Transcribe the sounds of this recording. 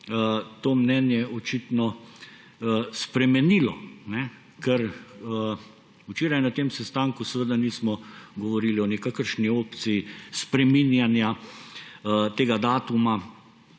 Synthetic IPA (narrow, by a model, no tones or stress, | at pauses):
ət̪oːmnɛnjɛɔt͡ʃit̪nɔ | spɾɛmɛniːlɔnɛ | kɛɾə | ut͡ʃeːɾajnat̪eːmsɛst̪aːŋkusɛʋəd̪aniːsmɔɡɔʋɔɾiːliɔnɛkakəɾʃnioːpt̪sijispɾɛminjanja | t̪eːɡad̪aːt̪uma